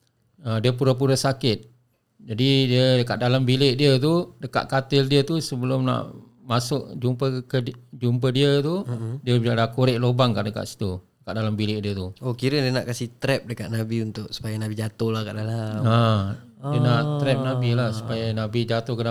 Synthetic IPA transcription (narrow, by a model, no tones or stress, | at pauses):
adiəp̬uɾap̬uɾasakɪt̪̚ | d͡ʒadidiədəka̰ʔ̚dalambilɪʔdiət̪̬udəka̰ʔ̪̚kat̪ɪldiət̪usəbəlʊmna̰ʔ | masʊʔd͡ʒumpəkəd͡ʒump̬ədiət̪udiəbaʔlakuɾɪʔlobaŋkaʔdəka̰ʔsi̥t̪udəkaʔ̚dalambilɪʔ̚diət̪uokiɾədiənaʔkasit̪ɾɛp̚dəkat̪̚nabiunt̪ʊʔsu̥pajanabid͡ʒat̪ʊhlakaʔdalaadiənaʔt̪ɾɛp̚nabilahsu̥pajanabid͡ʒat̪ʊhkəna